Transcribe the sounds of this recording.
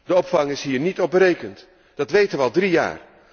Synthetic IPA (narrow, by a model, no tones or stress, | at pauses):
dəɔpfɑŋɪsɦiːɹnitɔpbrejkənt | d̥ɑtʋejtəʋəɑlˠdrija̰ːr